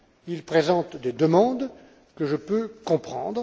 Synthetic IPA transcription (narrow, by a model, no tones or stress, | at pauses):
ilpχezɑ̃t̪d̪ed̪əmɑ̃d̪ | kəʒəpøkɔ̃pχɑ̰̃d̪ʁ